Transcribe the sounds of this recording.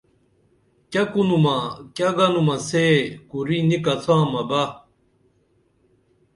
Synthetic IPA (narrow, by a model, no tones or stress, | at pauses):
kakunumakaɡɐnumasekuɾinikɐt̪ʰãːmɐba